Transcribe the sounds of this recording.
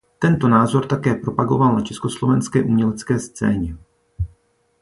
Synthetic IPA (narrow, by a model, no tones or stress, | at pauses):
t̪ɛnt̪o̞naːzo̞ɾt̪akɛːpɾo̞paɡo̞valnat͡ʃɛsko̞slo̞vɛnskɛːʔumɲɛlɛt͡skɛːst͡sɛːɲɛ